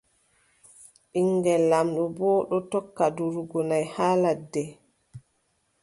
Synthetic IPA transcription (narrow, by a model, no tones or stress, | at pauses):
ɓiŋɡɛlːamɗɔbɔːɗɔtɔkːaduɾuɡɔnajhaːladːɛ